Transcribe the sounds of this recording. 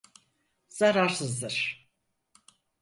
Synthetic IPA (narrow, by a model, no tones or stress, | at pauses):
z̥aɾaɾsɯzd̪ɯɾ̥